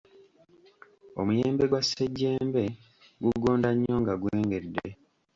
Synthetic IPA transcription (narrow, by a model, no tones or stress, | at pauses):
o̞̰mujeːmbe̞ɡwasːeɟːe̞ːmbe̞ | ɡuɡo̞ːndaɲːo̞ːŋɡaɡweːŋɡe̞dːe